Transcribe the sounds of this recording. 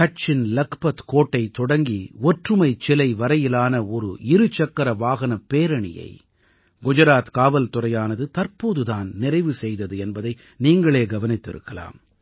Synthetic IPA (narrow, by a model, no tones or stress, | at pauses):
kɐt͡ʃːɪnlɐkpɐt̪koːʈːɐɪt̪ɔɽɐŋɡiɔʈrɯmɐɪt͡ʃɛlɐɪʋɐɾɐjɪlaːnɐɔɾɯ̰ɪɾɯt͡ʃɐkːɐɾɐʋaːɣɐnɐpːeːɾɐɳɪ̰jɐ̰ɪ | ɡʊd͡ʒɐɾaːt̪kaːʋɐlt̪ʊrɐjaːnɐðɯt̪ɐɾpoːðɯðaːnnɪrɐɪʋɯsɛjðɐðɯɛnbɐðɐɪ | niːŋɡɐɭeːɡɐʋɐnɪt̪ːɪ̰ɾɯ̰kːɐla̰ːm